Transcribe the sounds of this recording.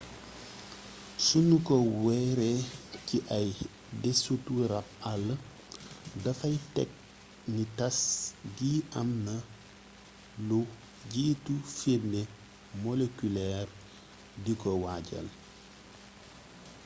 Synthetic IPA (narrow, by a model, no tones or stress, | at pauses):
sunukɔwɛɾeciʔɐj | dɛsutuɾɐp̚ɐlː | dɐfɐjtɛ̰k̚ | nitɐsɟiːʔɐmnɐ | lu | ɟiːtufebnne | mɔlekylɛːr | dikɔwaɟɐ̰l